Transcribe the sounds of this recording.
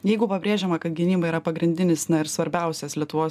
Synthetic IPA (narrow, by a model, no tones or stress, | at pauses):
jɛɪɡʊpɐbʲɾʲeːʒʲɛːmɐkɐt̪̚ɡʲɪnʲiːbɐiːɾɐpɐɡɾʲɪnʲd̪ʲɪnʲɪsnɐɪɾsʋɐɾʲbʲɛˑʊsʲɛslʲiɛt̪ʊʋoːs